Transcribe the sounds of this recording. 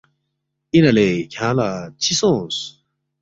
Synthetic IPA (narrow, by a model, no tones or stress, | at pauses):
ʔinaleːçʰãlat͡ɕʰisɔ̃s